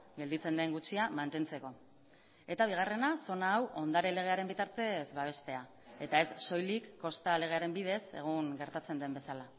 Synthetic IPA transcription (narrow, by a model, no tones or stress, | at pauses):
ɡe̞ld̪it͡se̞nd̪e̞ŋɡut͡ʃiamant̪e̞nt͡se̞ko̞ | e̞t̪aβ̞iɣ̞are̞naso̞naːwʔo̞nd̪aɾe̞le̞ɣ̞e̞aɾe̞mbit̪aɾt̪e̞zβaβ̞e̞st̪e̞a | e̞t̪ae̞sːo̞jlikːo̞st̪ale̞ɣe̞aɾe̞mbið̞e̞se̞̰ɣ̞uŋɡe̞ɾt̪at͡se̞nd̪e̞mbe̞sala